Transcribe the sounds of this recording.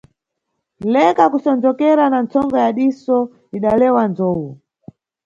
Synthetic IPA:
lɛkakusɔnd͡ʒɔkɛɾanant͡sɔŋɡɔjaɗisɔ | iɗalɛwand͡zɔːwu

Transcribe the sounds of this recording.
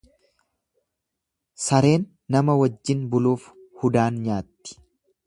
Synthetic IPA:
sɐɾe̞ːnːɐmɐwɐd͡ʒːɪnbʊluːf | hʊd̪aːnɲaːt̪ːɪ̥

